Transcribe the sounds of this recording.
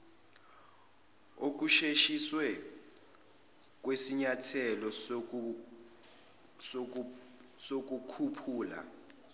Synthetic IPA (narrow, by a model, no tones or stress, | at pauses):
ok̬uʃeʃiswɛ | k̬ʼwesiɲatʰɛlɔ | sok̬ukʰupʰuːla̰